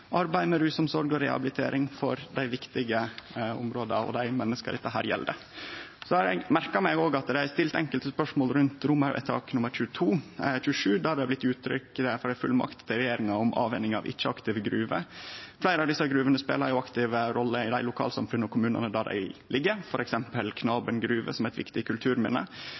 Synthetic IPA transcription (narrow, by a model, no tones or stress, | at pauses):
ʔɑɾbæɪmɛɾʉːsɔmsɔɾɡɔɾɛhɑ̰blɪt̪ʰḛːɾʔɪŋfɔɾd̪æɪʋɪkt̪ɪɡəʊ̰mɾoːd̪ə̰ɔ̰d̪æɪmɛnːəskə̰ɾɪ̰t̪ːəɦæ̰ːɾjɛ̰ld̪ə | sɔɑɾɛ̰ɡmæɾkɑmæɪɡoːɡɑt̪d̪ɛæst̪ɪlt̪ɛŋkəlt̪əspœʂmoːlɾʉnt̪ɾʊməɾʔɛ̰t̪ʰɑ̰ːknʊmːəɾçʉːt̪ʰuːçʉːəʂʉːd̪æhɑɾæɪblɪt̪ːʉːt̪ʰɾʏ̰kd̪ɛfɔɖ̪æɪfʉ̰lmɑ̰kt̪t̪ːɪɾɛjeːɾɪŋɑʊmʔɑ̰ːʋɛnːɪŋɑ̰ʋʔɪ̰t͡ʃːəɑkt̪ɪʋəɡɾʉːʋə̰flæɪɾəɑʋd̪ɪsːɑɡɾʉːʋənəspḛːlɑɾjʊɑkt̪ɪʋəɾɔlːəɪd̪æɪlʊkʰɑ̰ːlsɑ̰mfʉnəɔkʰʊmʉːnə̰nəd̪æɖæ̰ɪlɪɡːəfɔɾɛksɛmpəlkʰnɑːbənɡɾʉːʋə̰sɔmæɛt̪ʋɪkt̪ɪkʰʉlt̪ʰʉːɾmɪnə̰